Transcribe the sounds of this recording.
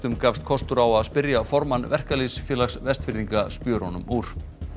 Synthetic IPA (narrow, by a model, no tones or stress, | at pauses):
t̪ʏmkaːfst̪̚kʰɔst̪ʏɾawaðspɪɾjafɔɾmanvɛr̥kalisfjɪːlaksvɛst̪fɪɾðiŋkaspjœːɾɔnʏmuːɾ̥